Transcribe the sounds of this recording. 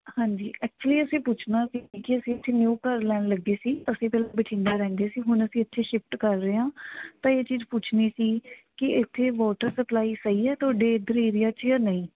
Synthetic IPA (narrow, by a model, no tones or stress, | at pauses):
hãːɲd͡ʒiːʔɛːk̚t͡ʃəliːəsĩːpʊt͡ʃʰnaːsikɪəsĩət̪ʰːeːnjuːkəɾlɛːnləɡeːsiːəsĩːpɛːlabɪʈʰɪ̃ɳdaːɾɛ̃ːnd̪eːsiːɦʊnəsĩːət̪ʃʰeːʃɪpʈkəɾːeːãːt̪ãːeːt͡ʃiːd͡ʒpʊt͡ʃʰniːsiːkɪɪt̪ʰːeːʋɔːʈəɾsəplaːiːsəiːɛːt̪ʰoːɖeːd̪əɾeːɾɪjaːt͡ʃjaːnəĩː